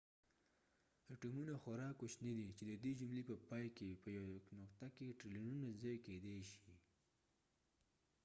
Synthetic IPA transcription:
ʈumunaxaɾɑkoʃnid̪it͡ʃed̪əd̪ed͡ʒumlepəpɑjkepəjawnʊqt̪akeʈɾilinunazɑjked̪eʃi

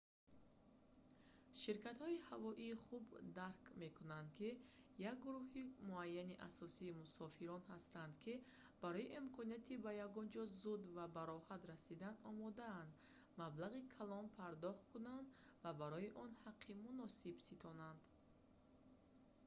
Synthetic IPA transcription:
ʃiɾkat̪hɔihavɔʔiːχubd̪aɾkme̞kʰunand̪kʰi | jak̚ɡuɾuɦimuajːaniʔa̰sɔsiːmusɔfiɾɔnhast̪and̪kʰi | b̥aɾɔjiʔimkʰɔnijat̪ʰibajaɡɔnd͡ʒɔzud̪vabaɾɔhat̪ɾasid̪anɔmɔd̪aːnd̪ | mablaʁikʰalɔnpʰaɾd̪ɔχt̪kʰunand̪ | vabaɾɔjiʔɔnhaqʰːimunɔsibsit̪ʰɔnand̪

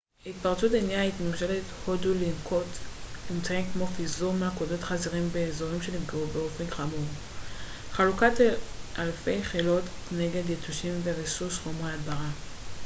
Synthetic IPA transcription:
it̪̚paʁt͡sutenjaitnuʃelet̪hodulinkʰo̞tlimt͡saimkmo̞fizuʁmeakodo̞tχaziʁimbeːzo̞ʁimʃelifɡaubeo̞fenχamuʁ | χalukatʔalfe̞jχelo̞tkne̞ɡe̞djetuʃimveʁesusχomʁead̪baʁa

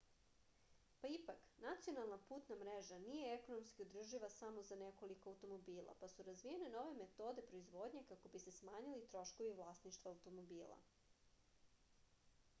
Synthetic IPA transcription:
paipaknat̪sio̞nalˠnapuːt̪namɾeʒanije̞eko̞no̞mskiod̪r̩ʒiʋasamozaneko̞likoawt̪o̞mo̞biːlˠa̰pasuɾazʋijene̞no̞ʋe̞met̪o̞d̪e̞pɾo̞izʋo̞ːd̪ɲekako̞bise̞smaːɲilit̪ɾo̞ʃko̞ʋiʋlˠaːsniʃt̪ʋaːwt̪o̞mobiːlˠa̰

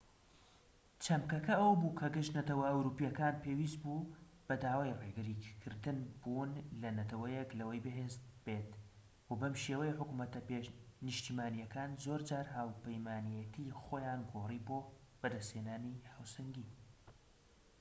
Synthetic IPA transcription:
t͡ʃʰɐmkɐkɐɐwɐbuːkʰɐɡɨʃnɐt̪ɐwɐɐwɾuːpijɐkaːnpʰeːwiːst̪̚bu | b̥ɐd̪aːwaːjreɡɨɾikʰɨɾd̪ɨnbuːnlɐnɐt̪ʰɐwɐjeklɐwɐjbɨɦeːzbet̪ | wɐbɐmʃeːwɐjeħʊkumɐt̪ɐpeʃnɨʃt̪imaːnijɐkaːnzoːɾd͡ʒaːɾɦaːwpɐjmaːnijɛt̪ʰixoːjaːnɡoːriːboːb̥ɐd̪ɐsthenaːnihawsɐŋɡi

